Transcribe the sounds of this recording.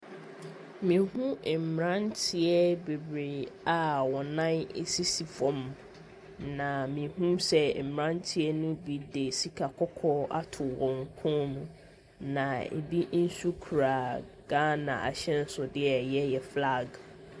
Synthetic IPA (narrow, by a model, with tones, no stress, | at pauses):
mĩ˨hũ˦˨m̩˨mɾã˦ntʰɪ˦ɛ˦be˨bɾe˨a˨wɔ̃˨nã˦ne˨si˦si˨fɔ̃˨m | nã˨mĩ˨hũ˦msɛ˦˨mɾã˦ntʰɪ˦ɛ˦nʊ̃˦bi˨de˨si˨kʰa˨kʰɔ˦kʰɔ˦a̰˦tʰʊ˨wɔ̃˨ŋ˨˦kʰɔ̃˦nũ˨ | nã˨ḛ˨bi˦n̩˦su˦kʰu˨ɾa˨ | ɡ̥ã˦nã̰˨ʔa̰˨ɕɛ̃˦n˦sʊ˨dɪ˦ɛ˨jɛ˦jɛ˨fla˦˨ɡ